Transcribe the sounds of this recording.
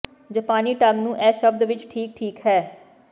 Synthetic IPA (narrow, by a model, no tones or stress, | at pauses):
d͡ʒəpaːniːʈəmnũːʔɛːʃəb̚d̪ʋɪt͡ʃʈʰiːk̚ʈʰiːkɦɛː